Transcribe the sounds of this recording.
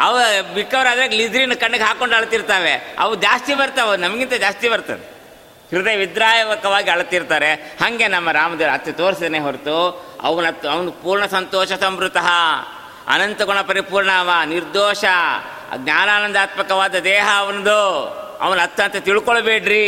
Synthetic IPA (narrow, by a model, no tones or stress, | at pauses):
ɐʋbikːɐʋɐɾɐd̪ɾeːɡlid͡ʒ̪ɾinːɐkɐɳːɐɡɦaːkoɳɖɐɭɐt̪iɾt̪aːʋe̞ɐ̰ʋud͡ʒaːst̪ibɐɾt̪aʋenɐmɐɡint̪ɐd͡ʒaːst̪ibɐɾt̪a̰ːd̪e | kɾid̪eʋid̪ɾaːjɐʋɐkɐʋaːɡiɐɭt̪ːiɾt̪aːɾehɐŋɡe̞nɐmːɐɾaːmɐd̪eːɾɐt̪ːut̪oːɾsid̪ɐneːɦoɾt̪uɐ̰ʋɐnɐt̪ːɐʋɐnpuːɾɳɐsɐnt̪ɔːʃɐsɐmbɾut̪ɐɦɐ | ɐ̰nɐnt̪ɐɡɔɳɐpɐɾipuːɾɳaːʋɐniɾd̪oːʃɐ | ɡɲaːnaːnɐnd̪aːt̪mɐkɐʋaːd̪ɐd̪ɛːɦɐːʋɐnɐd̪uɐ̰ʋɐnɐt̪ːɐnt̪ɐt̪iɭkoɭbeːɖɾi